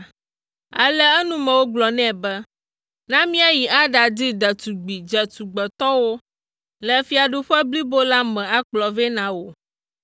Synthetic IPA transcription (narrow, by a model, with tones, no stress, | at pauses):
a̰˨lɛ˦ɛ˦nũ˦mɛ̃˨wo˦ɡ͡blɔ˨nɛ̃˦˨bɛ˦ | nã˦mĩ˦a˦ji˨ʔa˦ɖa˨d̪i˦d̪ɛ˨t̪u˨ɡ͡bi˨d͡ʒɛ˨t̪u˨ɡ͡bɛ˨t̪ɔ˦wo˦ | lɛ˨fi˦a˨ɖu˦ɸɛ˦bli˦bo˦la˦mɛ̃˨a˦k͡plɔ˨vɛ˦nã˨wo˨